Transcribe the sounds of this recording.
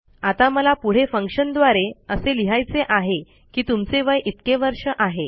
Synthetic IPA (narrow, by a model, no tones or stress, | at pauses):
at̪aməlapuɽ̤efəŋkʂənd̪ʋaɾeəseliɦajt͡seʔaɦe | kiːt̪umt͡seʋəjʔit̪keʋəɾʂəʔaɦe